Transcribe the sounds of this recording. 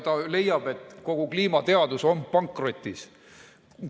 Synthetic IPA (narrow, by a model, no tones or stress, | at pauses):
t̪ɑle̞jːɑb̥e̞t̪ko̞ɡ̥ukliːmɑt̪e̞ɑd̪̥uso̞npɑŋkro̞t̪ʲˑːis